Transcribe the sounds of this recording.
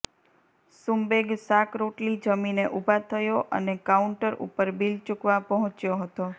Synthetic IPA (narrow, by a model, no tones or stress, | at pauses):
sumbeɡsakɾoʈlid͡ʒəmineʔubʱat̪ʰəjoʔənekauɳʈəɾṵpəɾbilt͡ʃukʋapəɦɔ̃t͡ʃjoɦət̪o